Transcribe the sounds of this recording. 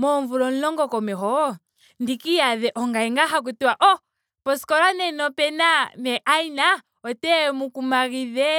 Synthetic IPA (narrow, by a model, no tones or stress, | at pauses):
mɔɱvulɔn̩lɔŋɡɔkɔmɛɦɔ | ndikijaðɛʔɔŋɡaɛŋɡaɦak̬utiwaʔɔ | pɔsi̥kɔlanɛnɔpɛnamɛʔaina | ɔtɛmukumaɣiðɛ